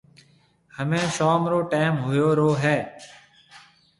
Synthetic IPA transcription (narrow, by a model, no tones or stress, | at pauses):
həmẽːʃɔːmɾoːʈaːmɦoːjoːɾoːɦɛː